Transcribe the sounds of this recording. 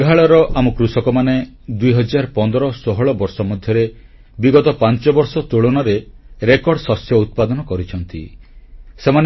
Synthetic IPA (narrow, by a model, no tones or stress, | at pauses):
ɡʱaɭɔɾɔʔamukɾusɔkɔmaned̪uiɦɔd͡ʒaɾpɔnd̪ɔɾɔsɔɦɔɭɔbɔɾsɔmɔd̪ʱjɔɾe | biɡɔt̪ɔpant͡ʃɔbɔɾsɔt̪uɭɔnɔɾeɾekɔɾɽsɔsjɔut̪̚pad̪ɔnɔkɔɾit͡ʃʰɔnt̪ḭ | seman